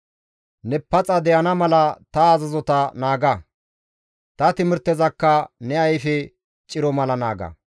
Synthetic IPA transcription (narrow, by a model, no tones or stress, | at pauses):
nɛpːɐt͡sʼɐd̪ɛjɐnɐmɐlɐt̪ɐːzɐzɔt̪ɐnaːɡɐ | t̪ɐt̪ɪmɪɾt̪ːɛzɐkːɐnɛɐjfɛ | t͡ʃʼɪɾɔmɐlɐna̰ːɡɐ̰